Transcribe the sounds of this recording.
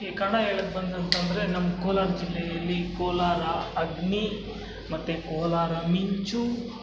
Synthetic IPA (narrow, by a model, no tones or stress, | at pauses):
kekaɽaːeːlɐk̚bɐnd̪ʱɐnt̪ɐmɾeːnɐmkoːlaːɾd͡ʒɪleːliːkoːlaːɾaːɐɡni | mɐt̪ekoːlaːɾaːmiɲt͡ʃuː